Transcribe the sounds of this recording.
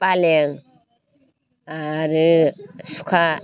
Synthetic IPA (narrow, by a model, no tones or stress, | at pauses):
paleŋ | aɾɯsu̥kʰa